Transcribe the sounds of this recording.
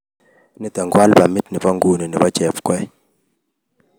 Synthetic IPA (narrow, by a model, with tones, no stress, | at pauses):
ni˨ta˨ŋɡwa˦lba˨mi˦t̚ni˨bɔ˦ŋɡu˦˨ni˨ni˨bɔ˦t͡ʃɛ˨fkwɛ˦